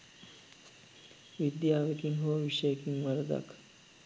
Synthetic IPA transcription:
ʋid̪jaːʋekiŋɦoːʋiʂəjəkiŋʋɐɾɐd̪a̰k

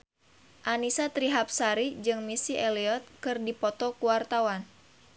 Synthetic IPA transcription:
ʔanisat̪ɾiɦap̚saɾid͡ʒɨŋmisiʔɛliɔt̪̚kɨrdipɔt̪ɔkuwart̪awan

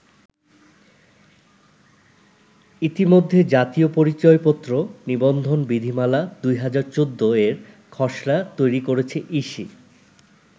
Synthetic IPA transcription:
it̪imod̪ʱːed͡ʑat̪iopoɾit͡ɕɔepot̪ːɾonibond̪ʱonbid̪ʱimalad̪ujɦad͡ʑaɾt͡ɕod̪ːoeɾ | kʰɔʃɾat̪ojɾikoɾet͡ɕʰeʔiʃi

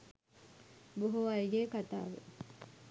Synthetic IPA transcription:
boɦoajiɡeːkat̪a̰ːʋḛ

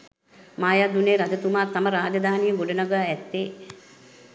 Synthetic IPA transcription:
maːjad̪uneːɾad̪ɐt̪umaːt̪aməɾaːd͡ʒɐd̪aːnijəɡoɖɐnaɡaːɛt̪ːeː

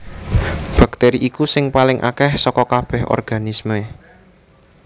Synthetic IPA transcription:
b̥a̤k̚t̪eɾiʔikusɪŋpalɪŋʔa̰kɛhsɔkɔkab̥ɛ̤hɔ̰rɡ̥a̤nisme

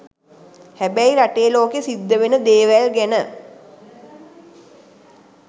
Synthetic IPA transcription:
hæbæiɾaʈejəloːkesid̪ːəʋenəd̪eːʋælɡænə

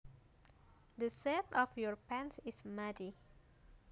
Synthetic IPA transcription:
d̪əsɛt̪ɔfjɔɹpɛ̃nsismati

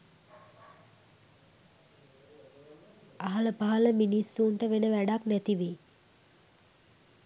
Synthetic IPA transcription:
aɦaləpaɦaləminisːuɳʈəʋenəʋæɖaknæt̪iʋe

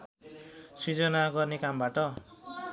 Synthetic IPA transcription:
sid͡zʌnaɡʌrnekambaʈʌ

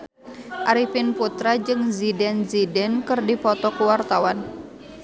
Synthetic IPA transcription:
ʔaɾipinput̪ɾad͡ʒɨŋzidɛnzidɛnkɨrdipɔt̪ɔkuwart̪awan

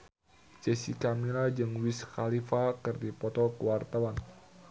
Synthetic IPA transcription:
t͡ʃɛsikamilad͡ʒɨŋwiskalifakɨrdipɔt̪ɔkəwart̪awan

